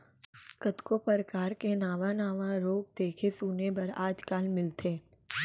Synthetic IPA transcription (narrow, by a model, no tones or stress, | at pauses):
kət̪kopəɾkaːɾkenaːʋãnaːʋãɾoːk̚d̪eːkʰesuːnebɐɾaːd͡ʒkaːlmɪlt̪ʰeː